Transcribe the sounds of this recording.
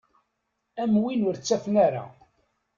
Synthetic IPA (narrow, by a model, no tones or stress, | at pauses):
æmwinʊɾt͡sːæfnæɾa̰